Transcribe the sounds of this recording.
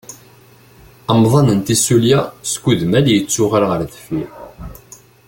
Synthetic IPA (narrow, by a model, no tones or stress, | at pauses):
əmðˤɑnənt̪isuljaskːuðmæljət͡sːʊʁaɾʁəɾðfi